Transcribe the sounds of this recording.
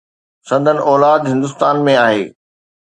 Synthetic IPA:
sɐ̃nd̪ʱənɪ̆ʔɔːlaːd̪ɦɪ̃nd̪ʊst̪aːnmẽaːɦḛː

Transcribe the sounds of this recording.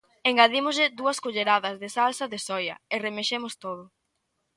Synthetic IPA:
eŋɡaðimʊzʎɪd̪uɐskoʎeɾaðɐzðesalsɐðesɔjɐ̰eremeʃemʊst̪oð̞ʊ

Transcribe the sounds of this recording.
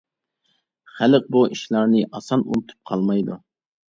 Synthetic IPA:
χæləq̚buʔiʃlˠɑɾnɨʔɑsɑnṵnɨt̪ʰu̥p̚qʰɑlˠmɑjd̪u

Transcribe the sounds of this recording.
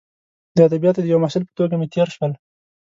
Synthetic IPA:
d̪əad̪abijɑt̪ed̪əjawmahsɪlpə̥t̪oɡamet̪jeɾʃwəl

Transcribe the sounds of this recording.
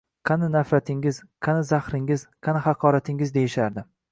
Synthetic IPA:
qʰɑnɪnafɾat̪ʰɪŋʲɪzqʰɑnɪzahɾɪŋɪzqʰɑnɪhɑqʰɒɾat̪ʰɪŋɪzd̪e̞jɪʃaɾd̪ɪ

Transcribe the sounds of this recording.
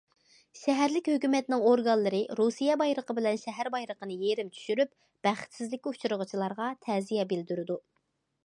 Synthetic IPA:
ʃɛɦæɾlɪkʲhøkʲymɛt̪ɪnɪŋoɾɡɑnlˠɨɾɨɾusijɛbɑjɾəqəbɪlɛnʃɛɦæɾbɑjɾəqənɨjeɾɪmt͡ʃʰy̥ʃyɾyp | b̥æχt̪sɪzlɪkʲiut͡ʃʰuɾʊʁət͡ʃʰilˠɑɾʁɑt̪ʰɛzijɛbɪld̪yɾɪd̪u

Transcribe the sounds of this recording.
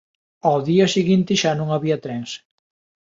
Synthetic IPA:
awðiɐsiɣint̪ɪʃanũŋaβiɐt̪ɾɛŋs

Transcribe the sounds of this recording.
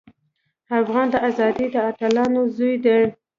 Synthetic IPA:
afɣɑnd̪əʔazɑd̪id̪əaʈalɑnozujd̪eɽ

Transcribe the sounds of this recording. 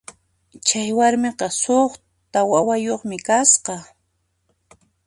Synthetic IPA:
t͡ʃajwaɾmeqɑsoχ | t̪awawajoχmɪkasqɑ

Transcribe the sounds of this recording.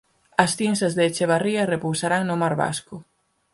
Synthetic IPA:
ɐsθinsɐzðet͡ʃeβ̞ariɐrepowsaɾaŋnʊmaɾβa̰skʊ

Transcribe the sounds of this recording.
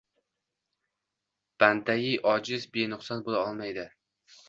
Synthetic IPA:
b̥and̪ajɪʔɒd͡ʒɪzbenʊχsɒnbolaɒlˠmajd̪ɪ

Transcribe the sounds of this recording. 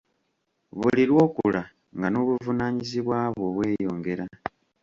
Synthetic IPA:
βuliɾwo̞ːkula | ŋɡano̞ːβuvunaːɲiziβwaːβwo̞βwe̞ːjo̞ːŋɡe̞ɾa

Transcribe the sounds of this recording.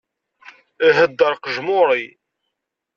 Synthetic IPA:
ɦəd̪ːəɾˤqəʒmʊɾˤi

